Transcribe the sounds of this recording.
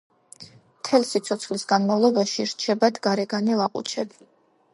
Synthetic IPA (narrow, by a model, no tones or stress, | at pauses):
mt̪ʰɛlsit̪sʰɔt̪sʰχlisɡanmavlˠɔbaʃiɾt͡ʃʰɛbad̪ɡaɾɛɡanilaqʼṵt͡ʃʰɛbi